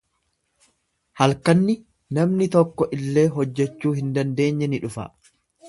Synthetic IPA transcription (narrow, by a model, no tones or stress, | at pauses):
hɐlkɐnːɪ | nɐmnɪt̪ɔkːɔʔɪlːe̞ːɦɔd͡ʒːɛt͡ʃːuːhɪnd̪ɐnd̪e̞ːɲːɛnɪᶑʊfɐ̰